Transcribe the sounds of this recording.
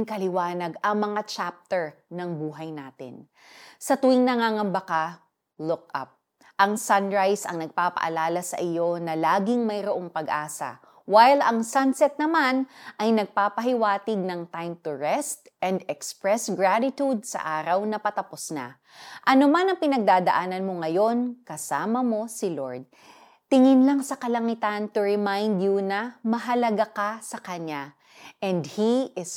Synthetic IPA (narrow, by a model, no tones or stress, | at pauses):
ŋkɐlɪwaːnɐɡɐŋmɐŋat͡ʃap̚t̪ɛɹ | nɐŋbuːɦɐjnaːt̪ɪ̰n | sɐt̪ʊɪŋnɐŋaŋɐmbɐka | lʊk̚ɐ̰p̚ | ʔɐŋsɐnɹajsɐ̰ŋnɐɡ̚paːpɐ̰ʔɐ̰laːlɐsɐ̰ʔɪjo̞nɐlaːɡɪŋmɐjɾoʔoŋpɐɡʔaːsɐ̰ | wajlɐŋsansɛt̪̚nɐmanʔɐjnɐɡ̚paːpɐɦɪwaːt̪ɪɡ̚nɐŋt̪ajmt̪ʊɹɛst̪ʔɛ̃nd̪ɛkspɹɛsɡɹat̪ɪt̪ud̪̚sɐ̰ʔaːɾɐwnɐpɐt̪ɐposna̰ | ʔɐnomanɐŋpɪnɐɡ̚d̪aːd̪ɐʔaːnɐnmoŋɐjo̞nkɐsaːmɐmo̞sɪloɹd̪̚ | t̪ɪŋɪnlaŋsɐkɐlɐŋɪt̪ant̪ʊɹɛmajnd̪junɐmɐɦɐlɐɡakasɐkɐɲa | ʔɛnd̪hiɪs